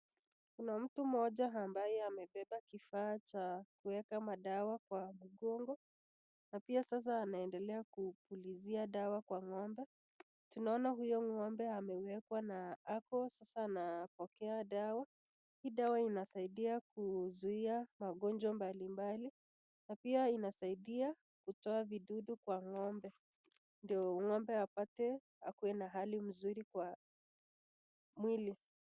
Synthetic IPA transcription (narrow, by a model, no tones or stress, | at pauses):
kunam̩tum̩ɔʄaambajɛamɛɓɛɓakifaːt͡ʃakuwɛkamaɗawakwamuɠɔŋɡɔ | napiasas̬aːnaɛndɛlɛakupuliziaɗawakwaŋɔmbɛ | tunaɔnaɦujɔŋɔmbɛamɛwɛkwanaakɔsasaːnapɔkɛaɗawa | hiːɗawainasaiɗiakuzuiamaɠɔnd͡ʒɔmbalimbali | napiainasaiɗia | kutɔaviɗuɗukwaŋɔmbɛ | ndiɔŋɔmbɛapatɛ | a̰kuwɛnaɦalim̩zuɾikwa | mwili